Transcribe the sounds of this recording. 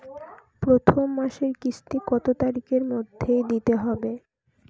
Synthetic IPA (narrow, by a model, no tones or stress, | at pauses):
pɾot̪ʰomːaʃeɾkisʈ̪ikɔt̪ot̪aɾikeɾmod̪ʱːejd̪it̪eɦɔbe